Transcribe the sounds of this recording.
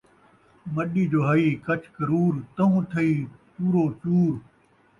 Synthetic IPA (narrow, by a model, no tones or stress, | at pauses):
mɐɗiːd͡ʑoːɦɐiːkɐt͡ɕʰkɐɾuːɾt̪ɐɦũːt̪ʰɐiːpuːɾoːt͡ɕuːɾ